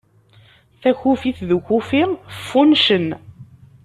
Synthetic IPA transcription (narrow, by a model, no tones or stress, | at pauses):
θæçufiθðəçufifːunʃən